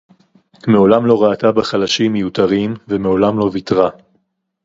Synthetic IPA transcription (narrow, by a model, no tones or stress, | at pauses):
meo̞lamlo̞ʁaːt̪abaχalaʃimːejut̪aʁimveme̞o̞lamlo̞vit̪ʁa